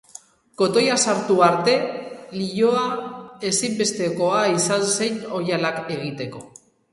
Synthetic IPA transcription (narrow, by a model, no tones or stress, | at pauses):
ko̞t̪o̞jasaɾt̪uaɾt̪e̞liʎo̞ae̞simbe̞st̪e̞ko̞aisanse̞jno̞jalake̞ɣit̪e̞ko̞